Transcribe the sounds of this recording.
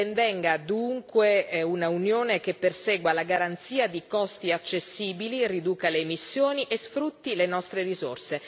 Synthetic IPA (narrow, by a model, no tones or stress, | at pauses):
eɱvɛŋɡad̪uŋkweunaunjoːnekepːersɛːɡwalaɡaɾant̪siːad̪ikɔst̪iat͡ʃːesːiːbilirid̪uːkaleːmisːjoːniʔesfɾut̪ːilenɔst̪ɾeɾizo̰rse